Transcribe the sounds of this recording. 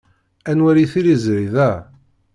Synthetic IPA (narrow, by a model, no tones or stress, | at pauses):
ænwæɾiθiɾizɾiðæ